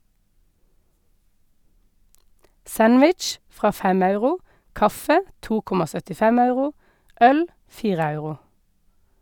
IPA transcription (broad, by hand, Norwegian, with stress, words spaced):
ˈsænʋɪt͡ʃ ˈfʁɑː ˈfɛm ˈɑʉʁʊ ˈkɑfə ˈtuː ˈkʊmɑ sœtɪˈfɛm ˈɑʉʁʊ ˈœl ˈfiːʁə ˈɑʉʁʊ